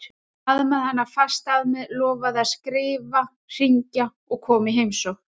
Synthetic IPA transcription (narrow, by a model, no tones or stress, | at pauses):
aðmɛðhanːafast̪aðmɛðlɔːvaðaðskɾɪːva | r̥iɲca | ɔɣkʰɔːmɪɦejmsɔɣ